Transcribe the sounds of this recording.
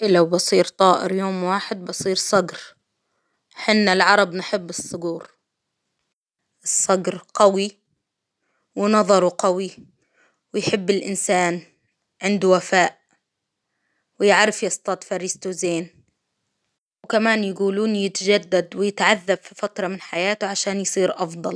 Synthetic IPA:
ʔɪlawbɑsˤiːɾt̪ˤɑːʔɪ̰ɾjoːmwaːħɪd̪̚bɑsˤiːɾsˤɑɡɾ | ħɪnːalʕɑɾˤɑbnħɪbːɨsˤːʊɡuːɾ | ʔɨsˤːɑɡɾqawi | wɪnɑðˤɑɾˤuqawi | wɪjħɪbːɪlʔɪnsaːn | ʕɪnd̪uwafaːʔ | wɪjɪʕɾɪfjɑst̪ˤɑt̪fɑɾɪst̪uzeːn | wkamaːnjaɡuːluːnjɪt̪aʒad̪ːad̪wɪjɪt̪ʕaðːabfifat̪ɾˤɑmɪnħajaːt̪ʊʕaʃaːnjsˤiːɾʔɑfd̪ˤɑl

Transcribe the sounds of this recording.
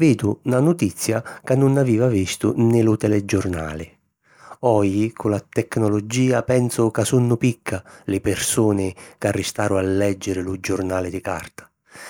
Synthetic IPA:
viːd̪ʊnanʊt̪it̪sːjakanːʊnaviːvavist̪ʊnɪlʊt̪ɛlɛd͡ʒʊrna̰ːlɪ | ɔjikʰʊlat̪ɛknɔlod͡ʒiːapɛnsʊkasunːʊpikʰːalɪpɪrsuːnɪkarːɪst̪aːɾʊalːɛd͡ʒːɪɾɪlʊd͡ʒʊrnaːlɪd̪ɪka̰rt̪ḁ

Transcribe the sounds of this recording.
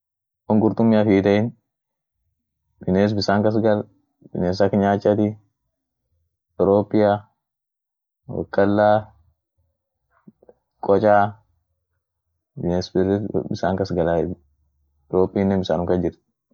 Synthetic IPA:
wɔŋɡʊɾt̪ʊmːiɐfiːt̪ɐɪn | bɪneːs̬bɪsaːŋkɐs̬ɡɐl | b̥ɪneːs̬akɐɲaːt͡ʃʼːɐt̪i | ɔɾoːpʼːɪja | wɐ̰kʼːɐlːaː | kʼɔt͡ʃʼaː | bɪnesbɪsaːŋkɐsɡɐla | ɾoːpʼːiːnːɛnbɪsaːnʊŋkɐd͡ʒɪɾ

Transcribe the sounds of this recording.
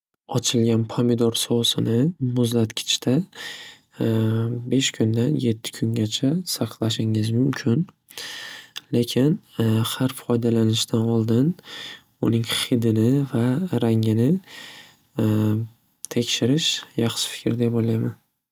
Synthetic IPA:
ɒt͡ʃʰɪlɡʲanpʰamɪd̪ɒɾsosɪnɪmʊzlat̪kʲʰɪ̥t͡ʃʰt̪ʰa | be̞ʃkʲʰʊnd̪anje̞t̪ʰːɪ̥kʰʊŋɡʲat͡ʃʰasɑqʰlˠaʃɪŋɪzmʊmkʲʰɪn | le̞kʲʰɪnhaɾfɒjd̪alanɪʃt̪ʰanɒlˠd̪ɪn | ʊ̰nɪŋχɪd̪ɪnɪvaɾaŋɪnɪ | t̪ʰe̞kʲʃɪɾɪʃjɑχʃɪ̥fɪ̥kʰʲɾd̪apojlajman

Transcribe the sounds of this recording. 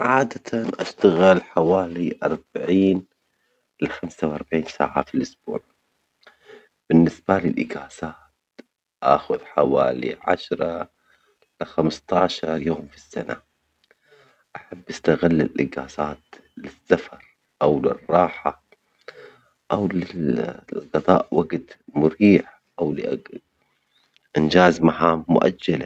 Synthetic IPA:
ʕaːd̪at̪ʰanʔaʃt̪aɣɪlħawaːliʔɑɾˤb̥aʕiːn | lɪxamsawʔɑɾˤbaʕiːnsa̰ːʕa̰filʔʊsb̥ṵːʕ | b̥ɪnːɪsbalɪlʔɪɡaːsaːt̪ | ʔa̰xʊðħawa̰ːlḭʕa̰ʃɾˤɑ | lɪxamst̪ˤɑʕʃɑɾˤjoːmfi̥sːa̰na̰ | ʔaħabːʔast̪aɣɪlːɪlʔɪɡaːsaːt̪lɪsːafɑɾˤ | ʔawlɪ̰rˤːɑːħa | ʔawlɪlɡɑðˤɑ̰ːʔwaɡt̪mʊɾiːħ | ʔawlɪʔa | ʔɪnd͡ʒaːzmaħaːmːʊ̰ʔa̰d͡ʒːala

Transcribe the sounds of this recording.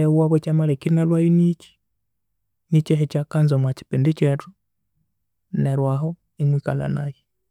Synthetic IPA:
ewaβet͡ʃamalekinalwajinit͡ʃi̥ | nit͡ʃɛɦet͡ʃakanzomwat͡ʃi̥pindit͡ʃetu | neɾwaɦo | iŋwikala̰naji

